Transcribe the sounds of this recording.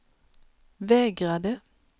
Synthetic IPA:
ʋeːɡʁad̪ə

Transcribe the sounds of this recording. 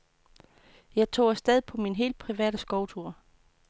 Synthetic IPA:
jɑ̈ɪt͡sʰo̝̰ːsd̥eð̞ˠipʰɒ̽minɦe̝̰ːld̥̚pʰʁiʋɛ̰ːd̥əsɡ̥ɒʊt͡sʰuɐ̰

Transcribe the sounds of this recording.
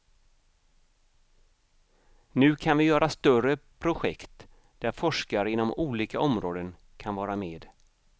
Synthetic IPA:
nʉ̟ːkʰanvɪjœːɾast̪œrəpʰɾʊɧɛ̰kt̪ | d̪̥æɾfɔʂkaɾəɪnːɔmuːliːkaɔmɾoːd̪ən | kʰanvɑːɾameːd̪

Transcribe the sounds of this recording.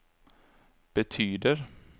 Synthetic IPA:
b̥ɛt̪ʰyːd̪əɾ

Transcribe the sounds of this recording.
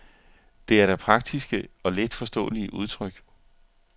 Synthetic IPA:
d̥e̝æɐɾæpʰʁɑ̈ɡ̥̚d̥isɡ̥əɒ̽led̥fɒ̽sd̥ɔ̰̽ːəliəʔuð̞ˠt͡sʰʁœɡ̥

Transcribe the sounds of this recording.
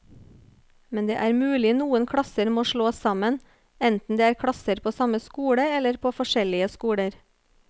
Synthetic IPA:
mɛnd̪ḛːʔæːɾmʉːlɪnuːənkʰɽɑsəɾmoːʃɭoːsɑmən | ɛnt̪n̩d̪eːæːɾkʰɽɑsəɾpʰoːsɑməskuːɽəɛləɾpʰoːfɔʃɛlɪəskuːɽəɾ

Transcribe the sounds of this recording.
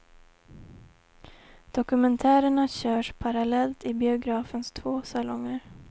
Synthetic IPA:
d̪̥ɔkɵmɛnt̪ʰæːɾəɳaɕœːʂpʰaɾalɛlt̪ɪbɪʊɡɾɑːfənst̪ʰvoːsalɔŋːəɾ

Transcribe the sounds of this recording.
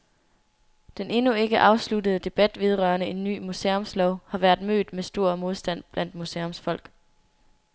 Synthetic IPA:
d̥enʔe̝nue̝ɡ̥əʔɑ̈ʊsludəð̩ˠəd̥e̝b̥æd̥ʋið̞ˠʁɶɐnəe̝nːy̰ːmuseɔ̽mslɒʊ̰hɑ̈ʋæɐd̥mø̰ːd̥mesd̥o̝ɐ̰mo̝ð̞ˠsd̥æn̰b̥læn̰d̥museɔmsfɒ̽l̰ɡ̥

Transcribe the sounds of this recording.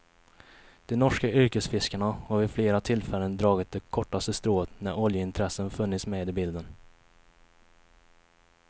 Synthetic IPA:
d̪̥ɛnɔʂkaʏɾkəsfɪskəɳahɔvɪfleːɾat̪ʰɪlfɛlːənd̪ɾɑːɡɪt̪̚d̪ɛkʰɔʈːast̪əst̪ɾoːət̪næɾɔljəɪnt̪ʰɾɛsənfɵnːɪt̪smeːd̪ɪbɪld̪ən

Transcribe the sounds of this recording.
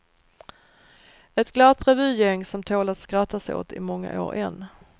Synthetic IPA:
ɛt̪ɡlat̪ɾɛvʉ̟ːjɛŋːsɔmt̪ʰoːlat̪skɾat̪ːaso̰ːt̪ɪmɔŋːa̰ʔo̰ːɾʔɛ̰nː

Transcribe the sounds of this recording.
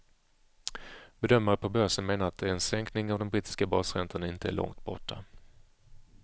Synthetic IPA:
b̥ɛd̪œmːaɾəpʰɔbœʂənmeːnaɾat̪̚d̪ɛɛnsɛŋknɪŋavd̪ɔmbɾiːt̪ɪ̥skabɑːsɾɛnt̪ʰənaɪnt̪əæ̰ɭʔɔ̰ŋt̪̚bɔ̰ʈʰːa

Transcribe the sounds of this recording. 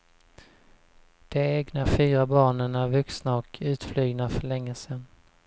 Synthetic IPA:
d̪̥ɛeːɡnafyːɾabɑːɳənæɾvɵksnaɔkʰʉ̟ːt̪flyːɡnafœɭɛŋːəsɛnː

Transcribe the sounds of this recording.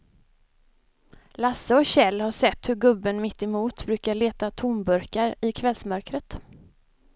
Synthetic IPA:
lasːəɔkɕɛlːhaʂɛt̪ːhɵɾɡɵbːənmɪt̪ːɛmuːt̪bɾʉːkaɭeːt̪at̪ʰʊnbɵɾkaɾɪkʰvɛlsmœɾkɾət̪

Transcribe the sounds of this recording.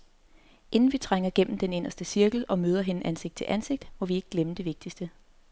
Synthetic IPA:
ʔe̝nn̩ʋit͡sʰʁaŋ̰ɐɡ̥em̰m̩d̥ene̝nɐsd̥əsiɐɡ̥l̩ɒ̽møːð̞ˠɐɦe̝nəʔænseɡ̥̚d̥̚t͡sʰe̝lʔænse̝ɡ̥̚d̥mɒ̽ʋie̝ɡ̥̚ɡ̥leməd̥e̝ʋe̝ɡ̥̚d̥isd̥ə

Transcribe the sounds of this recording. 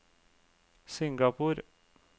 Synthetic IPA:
sɪŋɡɑpʰuːɾ

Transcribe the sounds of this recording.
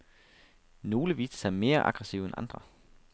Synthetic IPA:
no̝ːləʋiːssæme̝ːɐʔɑ̈ɡ̥ʁɛsiʊenʔɑ̈nd̥ʁɐ

